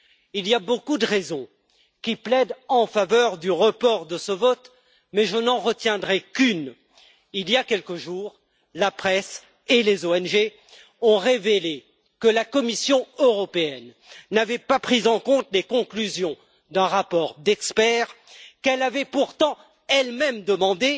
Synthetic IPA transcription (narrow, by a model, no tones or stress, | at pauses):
ilijabokud̪əʁezɔ̃ | kʲiplɛd̪ɑ̃favœʁd̪yʁəpɔʁd̪əsəvɔt̪ | mɛʒənɑ̃ʁət̪jɛ̃d̪ʁɛkyn | ilijakʲɛlkəʒuːʁ | lapχɛs | elezoɛnʒe | ɔ̃ʁevele | kəlakɔmisjɔ̃øʁɔpeɛnː | avɛpapχizɑ̃kɔ̃t̪lekɔ̃klyzjɔ̃ | d̪ɛ̃ʁapɔʁd̪ɛkspɛʁkɛlavɛpuʁt̪ɑ̃ | ɛlmɛmd̪əmɑ̃d̪e